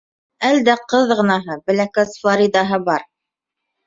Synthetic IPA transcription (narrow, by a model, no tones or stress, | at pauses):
æld̪æqɤðʁɤ̆nɑɦɤbɘ̆lækæsfɑɾid̪ɑɦɤbɑɾ